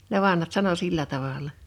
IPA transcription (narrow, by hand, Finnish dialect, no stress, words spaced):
ne ʋɑnhɑt sɑno silːæ tɑʋɑlˑɑ